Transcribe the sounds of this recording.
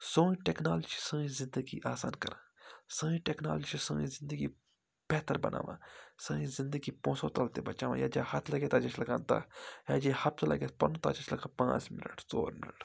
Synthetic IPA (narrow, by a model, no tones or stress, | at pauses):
sõːĩʈɛːknaːld͡ʒt͡ʃi̥sə̃ːĩzɪ̃nd̪əɡiʔaːsaːnkɐɾãːsəːĩʈɛknaːld͡ʒt͡ʃisə̃ːĩzɪ̃nd̪əɡi | b̥ɛːt̪əɾbɐ̰nʔa̰ːʋã̰ːsə̃ːĩzɪ̃nd̪əɡipõːsõːt̪ɐlt̪ebɐt͡ʃaːʋã̰ːjaːd͡ʒaːhɐt̪ʰlɐɡeːt̪ad͡ʒɐt͡ʃlɐɡãːnt̪a̰ːjaːd͡ʒehɐt̪slʔɐ̰ɡeːpɐɾnũt̪a̰ːd͡ʒɐt͡ʃʰlɐɡãːpã̰ːt͡ʃmɪnə̰ʈso̰ːɾmɪnəʈ